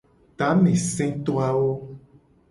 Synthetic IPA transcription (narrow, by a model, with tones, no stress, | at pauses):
t̪a˨˦mẽ˨sɛ̃˦t̪o˦a˦wo˦